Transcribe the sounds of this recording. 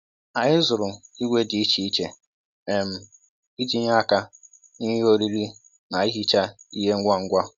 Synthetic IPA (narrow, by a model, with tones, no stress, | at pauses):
a˨ɲɪ˦zʊ˨ɾʊ˨i˦wʷe˦dɪ˨i˦t͡ʃi˨˦i˦t͡ʃe˨ | e˨m̩˨ | i˦d͡ʒi˦ɲa˦˨ka˦ | ni˦ɦo˦ɾi˦ɾi˦ | na˨i˦ɦi˦t͡ʃa˦i˦ɦe˦ŋ̩˦ɡʷa˦ŋ̩˦ɡʷa˦